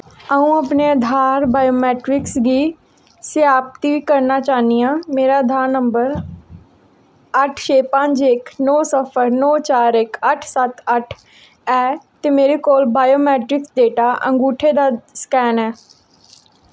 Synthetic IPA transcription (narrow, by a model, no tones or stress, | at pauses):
aːũːəpneːəd̪ʱaːɾbaːjoːmɛːʈɾɪksɡiː | sɪjaːp̚t̪iːʋiːkəɾnaːt͡ʃaːnijãːmeːɾaːəd̪ʱaːɾnəmbəɾ | əʈʰt͡ʃʰeːpə̃ɲt͡ʃɪknɔːsəpʰəɾnɔːt͡ʃaːɾɪkəʈʰsət̪əʈʰ | ɛːt̪eːmeːɾeːkoːlbaːjoːmɛːʈɾɪksɖeːʈaːʔə̰̃ŋɡuːʈʰeːd̪aːskɛːnɛː